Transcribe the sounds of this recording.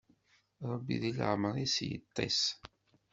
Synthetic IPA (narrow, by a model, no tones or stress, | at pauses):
ɾˤəbːiðilə̰ʕməɾˤisjə̰t̪ˤːḭs